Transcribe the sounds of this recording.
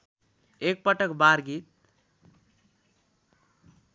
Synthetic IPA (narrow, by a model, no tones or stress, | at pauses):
ek̚pʌʈʌkbaɾɡit̪̚